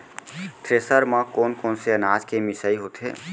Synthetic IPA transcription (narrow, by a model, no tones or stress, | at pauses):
t̪ɾeːsəɾmãkoːnkoːnseənaːd͡ʒkemɪsəiɦoːt̪ɦḛː